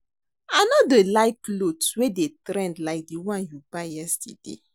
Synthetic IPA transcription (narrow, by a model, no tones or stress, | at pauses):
ãnɔdəlaɪklodswedetɾɛ̃ndlaɪk̚diwãnjubajɛstḭdḛ